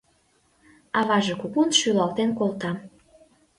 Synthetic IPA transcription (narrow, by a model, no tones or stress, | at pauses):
ɑβɑʒĕkukunʃylɑlt̪enkolt̪ɑm